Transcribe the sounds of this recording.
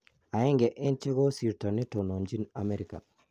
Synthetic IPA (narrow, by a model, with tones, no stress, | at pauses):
a˨ɛ˦ŋɡɛ˨ʔɪ˦nt͡ʃe˦ɡɔ˦si˨ɾta˨ni˦to˨no˨nd͡ʒi˦na˨me˦ɾi˨ka̰˨